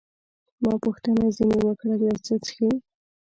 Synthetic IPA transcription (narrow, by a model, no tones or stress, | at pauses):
mɑpuxt̪ənazinewəkɽalɑt͡sət͡sə̥xi